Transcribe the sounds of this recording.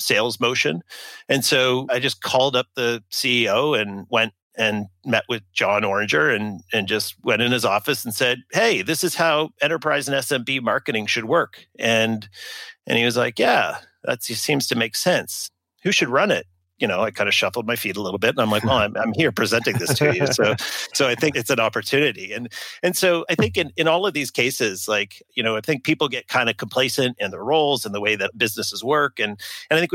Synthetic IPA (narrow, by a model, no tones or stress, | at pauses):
seɪlˠzmoʊʃɨ̰̃nɨ̃nsoʊaɪd͡ʒʌskʰɔlˠdʌp̚ðɨsiioʊɨ̃nwɛ̃nt̚ | ɨ̃nmɛʔwɨðd͡ʒɑ̃nɔɹɨ̃nd͡ʒə˞ɨ̃nɨ̃nd͡ʒʌst̚wɛ̃ɾ̃ɨ̃nɨzɔfɨsn̩sɛd̚heɪðɪsɨz̥haʊɛ̃ɾ̃ə˞pʰɹ̥aɪzɨ̃nɛsɛ̃mbimɑɹkɨɾɪ̃ŋʃɨd̚wɜ˞kɨ̃nʔɨ̰̃niwʌzlaɪkjæ | ðæ̰tssĩmz̥tʰɨmeɪksɛ̃ns | hʉʃɨd̚ɹʌ̃nɪt̚ | jɨñoʊaɪkʰãɪ̃ndɨʃʌfl̩ˠd̚maɪfiɾəlɪɾl̩ˠbɪɾ̃n̩ãɪ̃mlaɪkwɛlˠãɪ̃mã̰ɪ̃mhiɹpʰɹ̥izɛ̃ntɪ̃ŋðɪstʰɨjʉssoʊsoʊaɪθɪ̃ŋkɨtsɨ̃nɑpə˞tʰʉnɨɾiɨ̃nɨ̃nsoʊaɪθɪ̃ŋkɨ̃nɨ̃nɔlˠʌvðiz̥kʰeɪsɪz̥laɪkjɨnoʊaɪθɪ̃ŋk̚pʰipl̩ˠɡɛt̚kʰãɪ̃ndɨkʰm̩pʰl̥eɪsɨ̃ntɨ̃nðə˞ɹoʊlˠzɨ̃nðəweɪðɨt̚b̥ɪznɨsəzwɜ˞kɨ̃nɨ̃naɪθɪ̃ŋ